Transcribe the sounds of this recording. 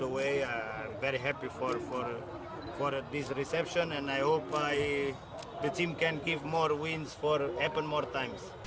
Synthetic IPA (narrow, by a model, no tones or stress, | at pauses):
əweɪaãɪ̃mvɛɹiɦæpifɔɾfɔɹ | fɔɾd̪ɪsɹisɛpʃɔ̃nɛ̃najhopaɪ | ðətʰĩmkɛ̃nɡɪvmɔɹwĩnsfɔɾɛpə̃nmɔɹt̪ʰãɪ̃ms